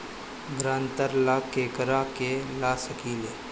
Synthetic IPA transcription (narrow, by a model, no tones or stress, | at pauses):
ɡɾãːnt̪əɾlaːkeːkəɾakelaːsəkiːleː